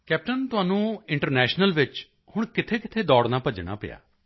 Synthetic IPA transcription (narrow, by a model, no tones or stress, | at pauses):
kɛːp̚ʈənt̪ʊɦaːnũːɪ̃ɳʈəɾnɛːʃnəlʋɪt͡ʃ | hʊɽ̃kɪt̪ʰeːkɪt̪ʰeːd̪ɔːɽnaːpəd͡ʒɽ̃a̰ːpɪ̰ja̰ː